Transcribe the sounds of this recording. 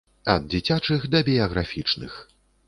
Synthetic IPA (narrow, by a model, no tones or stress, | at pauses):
ɐd̪̚d͡zʲit͡sʲat͡ʂɨxd̪ɐbʲijɐɣɾafʲit͡ʂnɨ̰x